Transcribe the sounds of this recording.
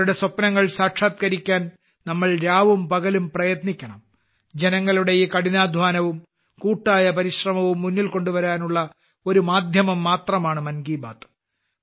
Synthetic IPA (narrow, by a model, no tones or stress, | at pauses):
ɽe̞swɐpːɐnɐŋːɐɭsaːʈʂaːt̪̚kɐɾikʲːaːn | nɐmːɐɭɾaːʋumpɐɣɐlumprɐjɐt̪nikʲːɐɳɐm | d͡ʑenɐŋːɐɭuɽe̞jiːkɐɽinaːd̪ʱʋaːnɐʋum | kuːʈːaːjɐpɐɾiɕrɐmɐʋumːunːilko̞ɳɖuʋɐɾaːnuɭːɐ | o̞ɾumaːd̪ʱjɐmɐmːaːt̪rɐmaːɳɨmɐnɡiːba̰ːt̪